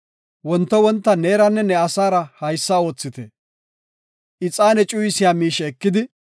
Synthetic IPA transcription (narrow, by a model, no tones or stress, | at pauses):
wɔnt̪ːɔwɔnt̪ːɐne̞ːɾɐnːɛnɛɐsaːɾɐhɐjsːaːo̞ːt͡sːɪt̪ɛ̰ | ʔɪt͡sʼːaːnɛt͡ʃʼʊjɪsɪjaːmiːʃɛːkːɪd̪ɪ